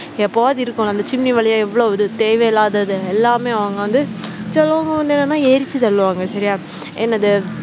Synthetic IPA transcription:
ɛpːoʋaːðɪɾɯkːʊ̃ɐnd̪ɐt͡ʃɪmniʋɐɭɐjãɛʋːɐɭoːʋɐðɯt̪eːʋeɪlaːðɐðɯɛlːaːmeːɐʋɐŋɡɐʋɐnd̪ɯt͡ʃɐlːɐʋɐŋɡɐʋɐnd̪ɯɛnːɐnːaːeːɾɪt͡ʃːɯtɐɭːɯʋaːŋɡɐsɐɾɪjaː | ɛnːɐðɯ

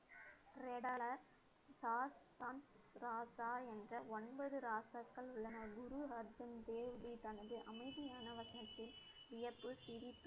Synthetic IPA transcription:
ɾɛɽɐɭɐ | saːs | ɐm | sɾaːsaːɛndrɐɔnbɐðɯɾaːsɐkːɐɭʊɭːɐnɐɡʊɾuɦɐɾd͡ʒɐmd̪eːʋɽit̪ɐnɐðɯʔɐmɐɪðɪjaːnɐʋɐsɐnɐt̪ːɪl | ʋɪjɐpːɯsɪɾɪp̪ːɯ

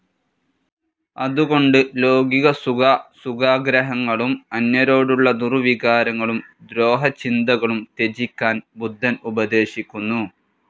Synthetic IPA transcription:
ɐðuɣo̞ɳɖɨlo̞ːɡiɣɐsuɣasuɣaːɡɾɐɦɐŋːɐɭumɐnːɐɾo̞ːɽuɭːɐd̪uruʋiɣaːɾɐŋːɐɭumd̪ɾo̞ːɦɐt͡ɕind̪ɐɣɐɭumt̪e̞d͡ʑikʲːaːnbud̪ʱːɐnubɐd̪e̞ːɕikʲːunːu

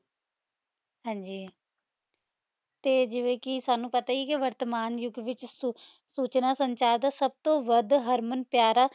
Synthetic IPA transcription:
ɦãːɲd͡ʒiː | t̪eːd͡ʒɪʋẽːkɪsaːnũːpət̪aːiːkɪʋəɾt̪əmaːnjʊɡʋɪt͡ʃ | suːt͡ʃnaːsəɲt͡ʃaːɾd̪aːsəb̚t̪õːʋəd̪ɦəɾmənpjaːɾaː

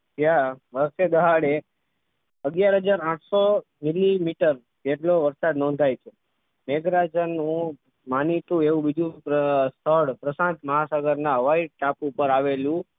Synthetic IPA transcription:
d͡ʒjaʋəɾʃed̪əɦaɽe | əɡjaɾɦəd͡ʒaɾãʈʰso | milimiʈəɾ | d͡ʒeʈloʋəɾsad̪nɔ̃nd̪ʱajt͡ʃʰe | meɡɾad͡ʒənũ | manit̪ũeʋũbid̪ʱũpəst̪ʰəɭpɾəsãnt̪məɦasaɡəɾnãəʋaiʈapupəɾaʋelũ

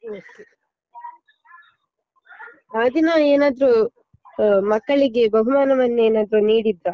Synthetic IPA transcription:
oːke | aːd̪inɐeːnaːd̪ɐɾu | mɐkːɐɭiɡebɐɦumaːnɐʋɐnːueːnaːd̪ɐɾuniːɽid̪ɾa

